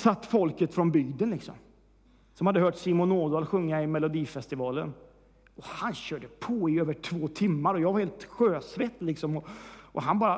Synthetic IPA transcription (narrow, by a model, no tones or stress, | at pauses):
sat̪ːfɔlkət̪fɾɔnbʏɡd̪ənlɪksɔ̰m | sɔmhad̪ːəɦœːʈsiːmʊnːoːd̪aːlɧɵŋːaɪmɛlʊd̪iːfɛst̪ɪvɑːlə̰n | ɔhanɕœːɖəpʰɔɪøːvəʈʰvoːt̪ʰɪmːaɾɔjɑːvaɾheːlt̪ɧøːsvɛt̪ːlɪksɔmɔʔɔɦanbɑːɾa